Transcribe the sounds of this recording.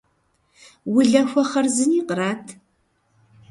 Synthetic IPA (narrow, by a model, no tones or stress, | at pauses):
wʊɮɐxʷɔχɐrzɨniːqəɾaːtʰ